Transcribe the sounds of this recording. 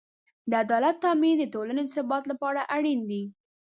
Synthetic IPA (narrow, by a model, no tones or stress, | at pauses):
d̪əad̪ɑlat̪ːɑmid̪ət̪olaned̪əsɪbɑt̪lapɑɽaʔaɽind̪i